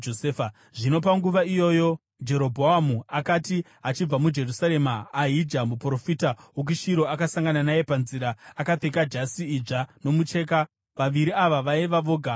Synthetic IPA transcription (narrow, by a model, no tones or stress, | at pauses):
oseːfa | ʐino̞p̬aŋɡuʋaijo̞ːjo̞ | d͡ʒe̞ɾo̞bʱoɦamuakati | ɦat͡ʃib͡vamud͡ʒe̞rusaɾe̞maːɦid͡ʒamupro̞fiːtawok̬iʃiɾo̞akasaŋɡananaje̞panziɾaːkap͡fe̞kad͡ʒasiːd͡ʐano̞mut͡ʃe̞ːka | ʋaʋiɾiaʋaʋaeʋaʋo̞ːɡʱa